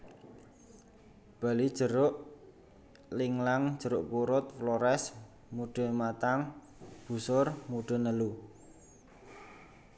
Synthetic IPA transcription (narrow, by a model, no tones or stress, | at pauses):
b̥a̤lid̥ʒ̥ə̤ɾʊʔ | lɪŋlaŋd̥ʒ̥ə̤ɾʊʔkuɾʊt̪̚floɾɛs | muɖ̥ə̤mat̪aŋ | b̥ṳsʊrmuɖ̥ə̤nəlu